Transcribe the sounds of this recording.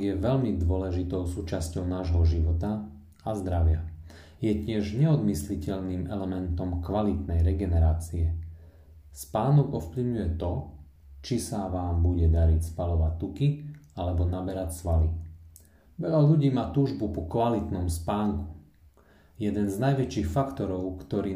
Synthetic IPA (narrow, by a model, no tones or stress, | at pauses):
ɡjɛʋɛʎmid̪ʊɔlɛʒit̪ɔʊsuːt͡ʃascɔʊnaːʒɦɔʒiʋɔt̪a | azd̪ɾaʋɪa | jɛcɪɛʒɲɛɔd̪mislicɛʎniːmɛlɛmɛnt̪ɔmkʋalit̪nɛjɾɛɡɛnɛɾaːt͡siɛ | spaːnɔɡɔfpliʊɲujɛt̪ɔ | t͡ʃisaʋaːmbuɟɛd̪aɾicspalɔʋac̚t̪ukialɛbɔnabɛɾacsʋali | ʋɛʎaʎuɟiːmaːt̪uːʒbupɔkʋalit̪nɔmspaːŋku̥ | jɛd̪ɛnznajʋɛt͡ʃiːxfakt̪ɔɾɔʊkt̪ɔɾiː